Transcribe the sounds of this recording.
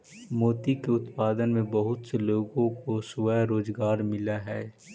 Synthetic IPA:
moːt̪ikeʊt̪paːd̪ənmẽbɐɦʊt̪seloːɡõkoswəjɾoːzɡaːɾmɪlaɦɛː

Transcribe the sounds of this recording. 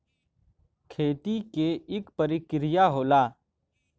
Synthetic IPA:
kʰeːt̪ikeɪkpəɾɪkɾɪjaɦoːlaː

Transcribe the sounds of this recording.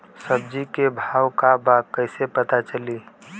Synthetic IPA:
səb̚d͡ʒikebʱaːwkabakəɪsepət̪at͡ʃəli

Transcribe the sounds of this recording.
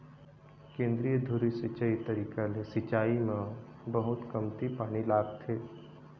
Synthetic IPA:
kẽːnd̪ɾijəd̪ʱʊɾisɪt͡ʃait̪ɐɾiːkalesɪt͡ʃaːimã | bɐɦʊt̪kɐmt̪ipaːñilaːɡt̪ʰeː

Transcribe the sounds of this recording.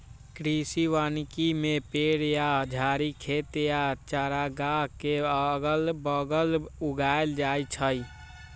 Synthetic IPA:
kɾisiʋaːnkimẽpeːɽjad͡ʒʱaːɾikʰeːt̪ejat͡ʃaːɾaɡakeɡəlbəɡəluɡaːeld͡ʒaːjt͡ʃʰəi

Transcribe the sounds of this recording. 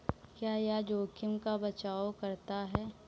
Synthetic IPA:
kjaːjad͡ʒoːkʰɪmkabɐt͡ʃaːokɐɾt̪aɦɛː

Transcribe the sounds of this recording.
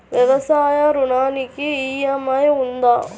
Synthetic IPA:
ʋɛʋɐsaːjaɾʊnaːnikːiiːjamajʊnd̪aː

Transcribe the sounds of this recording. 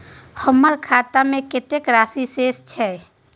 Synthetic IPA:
həməɾkʰaːt̪amẽkɪt̪ekɾaːsiseːst͡ʃʰɛ

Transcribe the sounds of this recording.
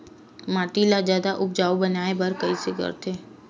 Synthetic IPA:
maːʈilad͡ʒjaːd̪aʔʊp̚d͡ʒaːobɐnaːebɐɾkɐiseɡɐ̰ɾt̪ʰeː

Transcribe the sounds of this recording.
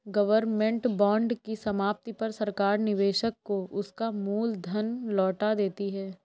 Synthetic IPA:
ɡɐʋəɾmɛ̃ɳʈbɔ̃ːɳɖkisɐmaːp̚t̪ipɐɾsɐɾkaːɾnɪʋeːʃəkːoʔʊskamuːld̪ʱɐnlɔːʈad̪eːt̪iɦɛː

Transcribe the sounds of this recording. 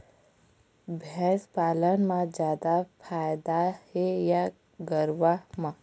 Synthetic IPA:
bʱɛspaːlənmãd͡ʒjaːd̪apʰaːjd̪aheja | ɡəɾʋamã

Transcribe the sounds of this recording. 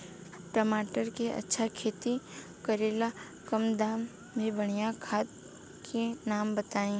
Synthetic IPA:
ʈɐmaːʈəɾkeʔɐ̰tːʃʰakʰeːt̪i | kɐɾeːla | kɐmd̪aːm | bʱibɐɽ̃ijakʰaːt̪̚ | kʰenaːmbɐt̪aːĩː

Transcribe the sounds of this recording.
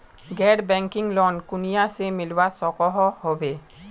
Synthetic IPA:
ɡɛɽbɛ̃ŋkɪŋlɔnkunijasemɪlwasɔkɔɦɔhobe

